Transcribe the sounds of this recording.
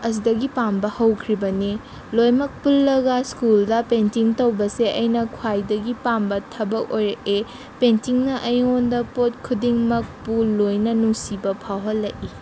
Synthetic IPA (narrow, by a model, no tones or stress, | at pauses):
ɐs̬idɐɡipambɐhɐwkʰɾibɐni | lojmɐk̚pulːɐɡaskuldɐpentiŋtɐwbɐseʔɐjnɐkʰwajdɐɡipambɐtʰɐbɐk̚ojɾɐʔe | pentiŋnɐʔɐjondɐpot̚kʰudiŋmɐk̚pulːojnɐnuŋsibɐpʰawɦɐlːɐʔi